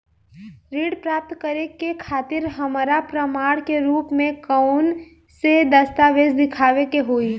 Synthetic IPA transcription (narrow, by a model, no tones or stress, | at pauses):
ɾiːɖpɾaːp̚t̪kəɾekekʰaːt̪ɪɾɦɐmɾapɾəmaːɽkeɾuːpmẽkəʊn | sed̪əst̪aːʋeːzd̪ɪkʰaːʋekeɦoːiː